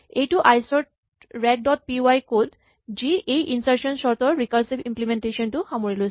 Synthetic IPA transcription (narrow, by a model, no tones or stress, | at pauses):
ejtuʔajsɔɹt̚ | ɹɛk̚dɔt̚pioajkod | ziʔejʔinsaɹsɔnsɔɹt̪ɔɹɹikaɹsibimplimenteʃɔntuxamoɹilɔjs